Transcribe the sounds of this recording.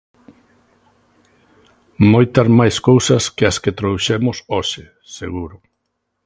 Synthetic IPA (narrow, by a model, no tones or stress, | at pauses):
mojt̪ɐzmajskowsɐskeɐsket̪ɾoðuʃemʊsoʃe | seɣuɾʊ